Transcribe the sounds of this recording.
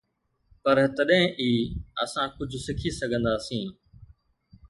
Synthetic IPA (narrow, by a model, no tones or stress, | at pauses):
pɐɾt̪ɐɗɦɪ̃ʔiːə̰sãkʊd͡ʑʱsɪkʰisɐɡʱə̃nd̪aːsĩː